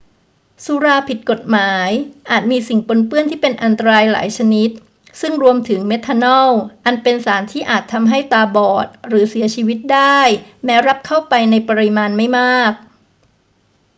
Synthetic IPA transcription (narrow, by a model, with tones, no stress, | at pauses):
su˨˦ɾaː˧pʰi˨˩t̪̚ko˨˩t̪̚maː˩˦jʔaː˨˩t̪̚miː˧si˨˩ŋpo˧npɯ˥˩ənt̪ʰiː˥˩pe˧nʔa˧nt̪a˧ɾaː˧jla̰ː˩˦jt͡ɕʰa˧ni˦˥t̪̚ | sɯ˥˩ŋɾu˧əmt̪ʰɯ˩˦ŋme˦˥t̪ʰːa˧nɔ˥˩wʔa˧npe˧nsaː˩˦nt̪ʰiː˥˩ʔaː˨˩t̪ʰːa˧mɦa˥˩jt̪aː˧bɔː˨˩t̪̚ɾɯː˩˦si˨˩˦ɐt͡ɕʰiː˧wi˦˥t̪̚daː˥˩jmɛː˦˥wɾa˦˥p̚kʰa˥˩wpa˧jna˧jpa˧ɾi˧maː˧nma˥˩jmaː˥˩k̚